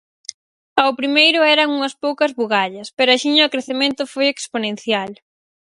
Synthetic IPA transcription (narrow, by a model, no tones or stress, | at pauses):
ɐwpɾimejɾʊɛɾɐŋuŋɐspowkɐzβuɣaʎɐspeɾʊɐʃiɲɐʊkɾeθemẽnt̪ʊfojeksponẽnθjal